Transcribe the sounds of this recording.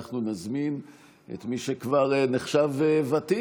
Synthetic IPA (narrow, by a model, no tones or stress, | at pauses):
χnunazmin | ʔḛt̪miʃekvaʁeneχʃavevati